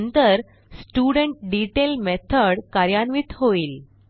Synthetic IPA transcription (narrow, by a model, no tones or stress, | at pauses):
nt̪əɾ | sʈjuɽəɳʈ̚ɖiʈelmɛt̪ʰəɽkaɾjanʋiːt̪ɦoiːl